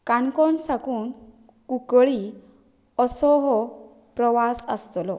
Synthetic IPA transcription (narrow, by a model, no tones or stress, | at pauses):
kankɔnsakuːn | kukɭi | ɔsɔɦɔ | pɾɔʋasə̰st̪lɔ